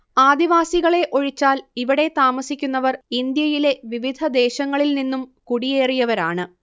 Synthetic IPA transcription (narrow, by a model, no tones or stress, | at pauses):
aːd̪iʋaːsiɣɐɭe̞ʔo̞ɻit͡ɕːaːliʋiɽe̞t̪aːmɐsikʲːunːɐʋɐrind̪jɐjile̞ʋiʋid̪ʱɐd̪e̞ːɕɐŋːɐɭilninːumkuɽije̞ːrijɐʋɐɾaːɳɨ